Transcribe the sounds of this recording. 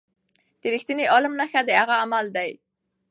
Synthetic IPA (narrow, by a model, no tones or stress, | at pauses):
d̪̥əɾixt̪əneʔolamnaxad̪əaɣaːmald̪aj